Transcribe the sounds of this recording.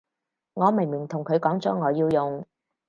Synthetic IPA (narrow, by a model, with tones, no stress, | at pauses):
ŋɔː˨˧me˨˩jmi˨˩t̪ʰʊ˨˩ŋkʰɵ˨˧ɥkɔː˨˥ŋt͡sɔː˨˥ŋɔː˨˧jiː˧wjʊ˨ŋ